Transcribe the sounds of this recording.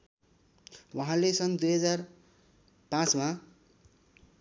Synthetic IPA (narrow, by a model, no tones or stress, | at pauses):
waɦãlesʌnd̪ujɦʌd͡zar | pãt͡sma